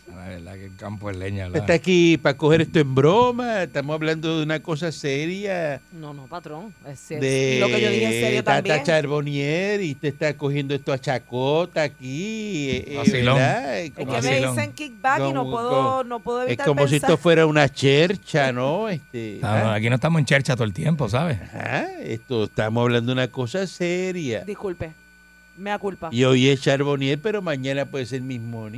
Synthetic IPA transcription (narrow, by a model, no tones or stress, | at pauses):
aβeakekampoeleɲalet̪akipako̞he̞ɾest̪oe̞mbɾomaest̪amosaβland̪o̞ðeunako̞s̬aseɾjanonopat̪ɾoŋesed̪eokeoðiiaeɾot̪aaŋt͡ʃaɾβo̞njeɾiuht̪eest̪ako̞hje̞nd̪oest̪oat͡ʃakot̪aːkieesiɾloakomoiloeŋkik̚bakonoweðonopweðoeβitaɾkomos̬iesofwe̞ɾaunat͡ʃeɾt͡ʃanoest̪et̪aakinoet̪amosent͡ʃeɾt͡ʃat̪oelt̪jemp̬os̬aβesaha̰ḛst̪oest̪amosaβland̪ounako̞saseɾjad̪ikulpe | meakulpaio̞jest͡ʃaɾβo̞njeɾpe̞ɾo̞mãɲãnapwe̞ðese̞ɾmismon